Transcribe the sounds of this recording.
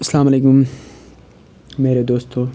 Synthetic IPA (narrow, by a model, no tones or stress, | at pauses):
ɐslaːmɐleːkum | meːɾed̪oːst̪o